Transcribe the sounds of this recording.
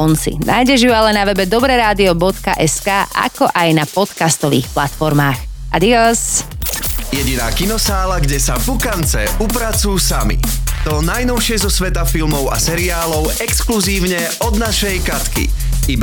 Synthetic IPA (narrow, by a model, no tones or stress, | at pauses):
ɔnt͡sḭnʔaːjɟɛʒjualɛnaʋɛbɛd̪ɔbɾɛɾaːd̪iɔbɔt̪ka̰ʔɛskaːʔa̰kɔʔajnapɔt̪kast̪ɔʋḭːxplat̪fɔɾmaːxʔad̪iɔs | jɛɟinaːkinɔsaːlaɡɟɛsavukant͡sɛupɾat͡sujusamḭt̪ɔnajnɔʊʃɪɛzɔsʋɛt̪afilmɔʊa̰sɛɾiaːlɔʊɛkskluziːʊɲɛ | ɔd̪naʃɛjkat̪kḭ | iba